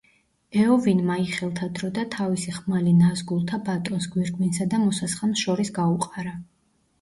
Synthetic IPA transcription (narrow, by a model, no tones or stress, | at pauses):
ɛɔvinmaiχɛlˠt̪ʰad̪ɾɔd̪at̪ʰavisiχmalinazɡulˠt̪ʰabat̪ʼɔnsɡwiɾɡminsad̪amɔsasχɛmʃɔɾisɡauqʼaɾa